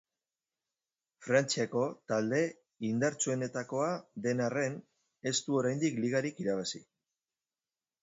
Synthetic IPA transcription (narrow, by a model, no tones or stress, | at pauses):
fɾant͡siako̞t̪ald̪e̞ | ind̪aɾt͡sue̞ne̞t̪ako̞aðe̞nare̞n | e̞st̪uo̞ɾajnd̪ikliɣ̞aɾikiɾaβ̞asi